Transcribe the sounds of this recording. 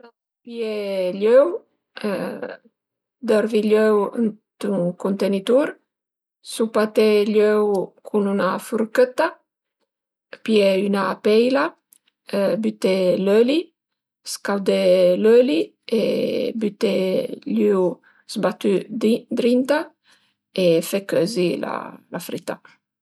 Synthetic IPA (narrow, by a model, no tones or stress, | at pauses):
na | pjeløw̰ | d̪ɔɾviløwn | t̪uŋkunt̪enit̪uɾ | supat̪eʎøwkʰununafuɾkət̪a | pjeynapɛjla | byt̪eløli | skawd̪eløli | ḛbyt̪eløw | zbat̪yd̪ɾint̪a | efekøzila̰lafɾit̪ːa